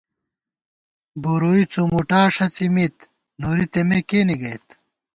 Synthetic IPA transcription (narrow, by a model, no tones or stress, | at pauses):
boɾoit͡sumuʈaːʂɐt͡simit̪ | noɾit̪emekeːniɡɐjt̪